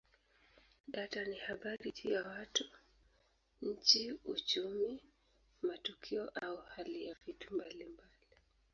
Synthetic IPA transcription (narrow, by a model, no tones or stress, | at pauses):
ɗatanihaɓaɾitʰujawatu | ɲ̩t͡ʃiṵt͡ʃumi | matukʰiɔʔauhalijavitumbalimbali